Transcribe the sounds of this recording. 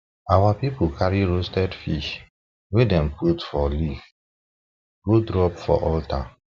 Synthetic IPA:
awapipukʰaɹiɹostɛdfiʃ | wedɛ̃mputfɔlif | ɡodɹɔpfɔ̰ʔɔltʰa̰

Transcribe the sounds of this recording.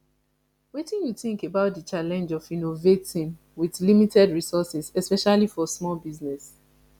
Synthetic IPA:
wetĩnjuθĩŋkebaʊt̚dət͡ʃalɛ̃nd͡ʒɔvĩnovetĩn | wiðlimitʰɛdɹisɔsɛsɛspɛʃalifɔsmɔlbiznɛs

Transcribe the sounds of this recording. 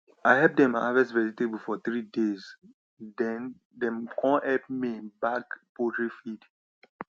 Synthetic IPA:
aɪɦɛp̚dɛ̃ma̰vɛsvɛd͡ʒitebəlfɔθɹidez | dɛ̃n | dɛ̃mkʰɔ̃nɛpmibakpodɹifid̥

